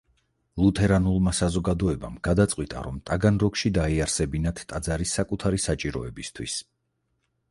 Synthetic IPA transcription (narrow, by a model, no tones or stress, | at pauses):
lˠut̪ʰɛɾanulˠmasazɔɡad̪ɔɛbamɡ̥ad̪at̪sʼqʼwit̪ʼa̰ɾɔmt̪ʼaɡanɾɔkʃid̪aiaɾsɛbinat̪ʰːʼad̪zaɾisːakʼut̪ʰaɾisat͡ʃʼiɾɔ̰ɛbist̪ʰwis